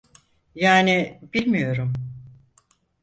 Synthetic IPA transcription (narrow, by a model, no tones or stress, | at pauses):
jaːnibilʲmijo̞ɾum